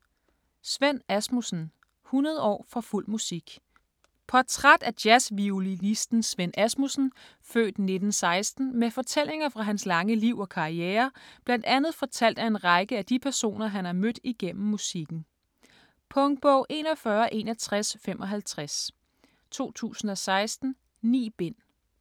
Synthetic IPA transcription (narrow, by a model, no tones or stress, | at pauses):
sʋen̰æsmusn̩ | hunɐð̞ˠɒ̰ːfɒ̽ful̰musiɡ̥ | pʰɒt͡sʰʁad̥æd̥jæsʋiulinisd̥n̩sʋenæsmusn̩ | fø̰ːd̥ne̝d̥n̩sɑ̈ɪsd̥n̩mefɒ̽t͡sʰel̰e̝ŋɐfʁɑ̈ɦænslɑ̈ŋəliʊ̰ɒ̽kʰɑ̈ieːɐb̥læn̰d̥ænð̞̩ˠfɒ̽t͡sʰæl̰d̥æe̝nʁɑ̈ɪɡ̥əæd̥ipʰæɐso̝̰ːnɐɦænæmød̥iɡ̥en̰m̩musiɡ̥n̩ | pʰɔ̽ŋ̥̚b̥ɔʊ̰ʔe̝ːnɒ̽fɶɐʔe̝ːnæt͡sʰʁasfemʔɒ̽ɦælt͡sʰʁas | t͡sʰo̝̰ːt͡sʰṵːsn̩ɒ̽sɑ̈ɪsd̥n̩ | nḭːb̥e̝n̰